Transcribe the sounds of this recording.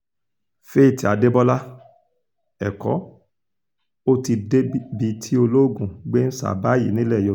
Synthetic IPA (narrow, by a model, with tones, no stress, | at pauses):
fe˦˨ti˨a˨de˦bɔ˦la˦ | ɛ˨kɔ̰˨˦ | o˦ti˧de˦bi˧tʰi˦o˧lo˦˨ɡũ˨ɡ͡be˦n̩˦sa̰˦˨ba˦jḭ˨˦nĩ˦lɛ˦˨jo˧˨